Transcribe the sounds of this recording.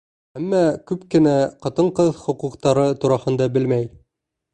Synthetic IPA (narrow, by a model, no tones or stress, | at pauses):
æmːækʉpkɘ̆næqɑt̪ɤɴqɤðχŏquqt̪ɑɾɤt̪uɾɑhɤ̆nd̪ɑbɘlmæj